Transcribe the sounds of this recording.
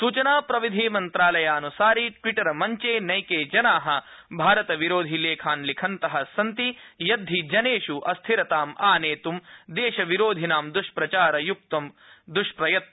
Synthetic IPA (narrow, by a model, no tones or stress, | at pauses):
suːt͡ʃɐnaːpɾɐʋid̪ʱiːmɐnt̪ɾaːlɐjaːnusaːɾiʈʋiʈɐɾɐmɐɲt͡ʃeːnɐjkeːd͡ʒɐnaːɦɐ̆bʱaːɾɐt̪ɐʋiɾoːd̪ʱileːkʰaːnlikʰɐnt̪ɐɦɐsɐnt̪ijɐd̪ʱːid͡ʒɐneːʃuʔɐst̪ʰiɾɐt̪aːmaːneːt̪umd̪eːʃɐʋiɾoːd̪ʱinaːmd̪ɾuʂpɾɐt͡ʃaːɾɐjuk̚t̪ɐm | d̪uʂpɾɐjɐt̪̚ɐ